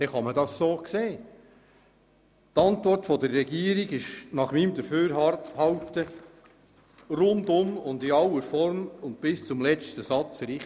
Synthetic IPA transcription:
d̥ɛχɑmədɑssoːkseː | t̪ɑntʋɔrtfɔd̪ərːɛɡiːəɾiɡɪʃnɑχmiːmd̪əɾføːɾhɑwt̪ə | ɾʊndʊmʊnd̪ɪɑwəɾfɔɾmʊnt̚b̥ɪst͡sʊmlɛt͡stəsɑt͡sɾɪ

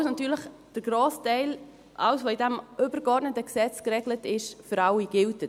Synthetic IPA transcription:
snɑtyːɾləχ | d̥əɾɡ̥ɾoːstɛɪl | ʔɑ̰wsʋoːidɛmʔøbəɾɡɔɾdnətəksɛt͡skɾɛɡlətɪʃfəɾɑwiɡ̥ɪltə

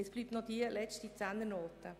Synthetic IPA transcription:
ɛsb̥lyːp̚tnɔd̥iəlɛt͡stit͡sænd̪ənoːt̪ə

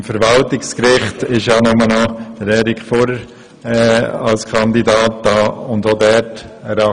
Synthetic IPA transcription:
mfəɾʋɑltɪkskɾɪχtɪʃjɑːnʊmənɑd̥əɾɛɾikʰfɔɾə | ɛɑlskʰɑnd̪idɑːt̚d̥ɑːʊndodɛɾtəɾɑ

